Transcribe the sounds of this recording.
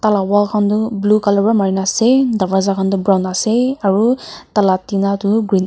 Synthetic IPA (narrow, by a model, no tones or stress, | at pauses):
talawakʰandublukalɔbɹamaɹinasɛdabazakʰandubɹawnasɛaɹutalatinatuɡɹin